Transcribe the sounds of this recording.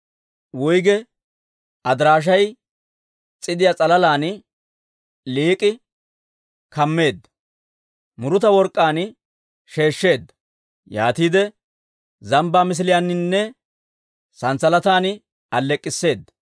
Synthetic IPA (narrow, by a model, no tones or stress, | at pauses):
wʊjɡɛ | ʔɐd̪ɾaːʃ̬ɐj | t͡sʼɪd̪ɪjat͡sʼɐlɐlaːn | liːkʼɪ | kɐmːe̞ːd̪ːɐ̥ | mʊɾʊt̪ɐwɔɾkʼːaːn | ʃe̞ːʃːe̞ːd̪ːɐ̥ | ja̰ːt̪iːd̪ɛ | zɐmbaːmɪs̬ɪlɪjaːnɪnːɛ | sɐnt͡sːɐlɐt̪aːn | ɐlːɛkʼːɪsːe̞ːd̪ːɐ̥